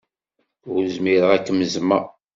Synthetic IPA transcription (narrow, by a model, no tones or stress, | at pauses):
ʊɾzmiɾəʁækːəməzma̰